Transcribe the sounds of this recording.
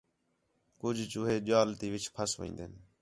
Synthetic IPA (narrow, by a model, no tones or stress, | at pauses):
kʊd͡ʒʱt͡ʃʊːɦeːʄaːlt̪iːʋɪt͡ʃʰpʰəsʋə̰ḭ̃ːnd̪eːn